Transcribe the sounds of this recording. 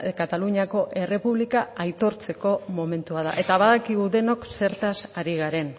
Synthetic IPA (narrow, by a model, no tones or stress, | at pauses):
kat̪aluɲako̞ʔe̞re̞puβlikaajt̪o̞ɾt͡se̞ko̞mo̞me̞nt̪uað̞a̰ʔe̞t̪aβaðakiɣuðe̞no̞kse̞ɾt̪asaɾiɣaɾe̞n